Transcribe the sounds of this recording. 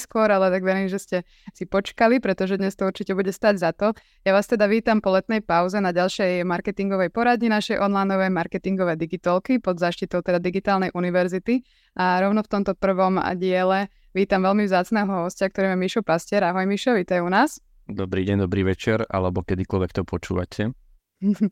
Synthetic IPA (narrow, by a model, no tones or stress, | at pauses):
skʊɔɾalɛt̪aɡʋɛɾiːmʒɛscɛ | sipɔt͡ʃkalipɾɛt̪ɔʒɛd̪ɲɛst̪ɔuɾt͡ʃicɛbuɟɛst̪aːɟzat̪ɔ | jaʋaːst̪ɛd̪aʋiːt̪ampɔlɛt̪̚nɛjpaʊzɛnaɟalʃɛjmaɾkɛt̪iŋɡɔʋɛjpɔɾad̪ɲinaʃɛjʔɔnlajnɔʋɛjmaɾkɛt̪iŋɡɔʋɛːd̪iɡit̪ɔlkipɔd̪zaːʃcit̪ɔʊt̪ɛd̪ad̪iɡit̪aːlnɛjʔuniʋɛɾzit̪i | ʔaɾɔʊnɔft̪ɔmt̪ɔpr̩ʋɔmɟɪɛlɛ | ʋiːt̪amʋɛlmivzaːt͡snɛːɦɔɦɔscak̚t̪ɔɾimjamiʃɔpascɪɛɾaɦɔjmiʃɔʋiːt̪ajunaːs | d̪ɔbɾiːɟɛɲd̪ɔbɾiːʋɛt͡ʃɛɾa̰lɛbɔkɛd̪ikɔlʋɛk̚t̪ɔpɔt͡ʃṵːʋa̰cʰɛ